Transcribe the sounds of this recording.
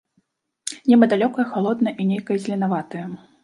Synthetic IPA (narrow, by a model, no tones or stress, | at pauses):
nʲɛbɐd̪alʲɔkɐjɐxalˠɔd̪nɐjʔinʲejkɐjɐzʲlʲinavat̪ɐjɐ